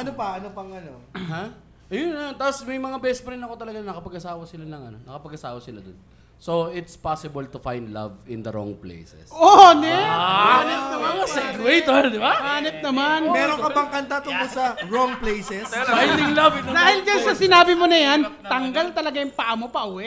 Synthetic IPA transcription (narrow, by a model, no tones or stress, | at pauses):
ʔɐnopɐʔɐnopɐŋɐnoha | ʔɐjonɐjont̪asmɐjmɐŋabɛːsɛspɐɾɪnɐko̞t̪ɐlɐɡannɐkɐpɐɡɐsaːwɐsɪlanɐŋɐnonɐkɐpɐɡ̚ʔɐsaːwɐsɪlad̪o̰n | soɪt̪spasɪbɐlt̪ufajnd̪la̰vɪ̰nd̪ɐɾo̰ŋplḛjsɛ̰sʔonɛanɛt̪̚nɐmanɐsɛwejt̪oɾd̪ɪbamaːnɪt̪̚nɐmanmɛɾoŋkɐpɐŋkɐnt̪at̪ʊŋkolsɐɹoŋplejsɛsfajd̪ɪŋlɐvɪod̪aːhɪld͡ʒɐnsɐsɪnaːbɪmonɐjant̪ɐŋɡalt̪ɐlɐɡajʊŋpɐʔamopɐʔʊwɛ